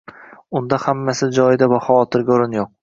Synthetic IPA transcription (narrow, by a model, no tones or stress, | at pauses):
ʊnd̪ahamːasɪd͡ʒɒjɪd̪abaχɒwɒt̪ʰɪɾɡʲaʊɾɪnjoq̚